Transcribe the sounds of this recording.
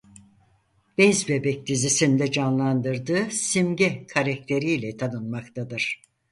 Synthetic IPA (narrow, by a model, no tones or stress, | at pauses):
b̥ɛzbebɛc̚d̪izisind̪ɛd͡ʒanlˠand̪ɯɾd̪ɯːsimɟɛkʰaɾak̚t̪ʰe̞ɾijlʲɛt̪ʰanɯnmakt̪ʰad̪ɯɾ̥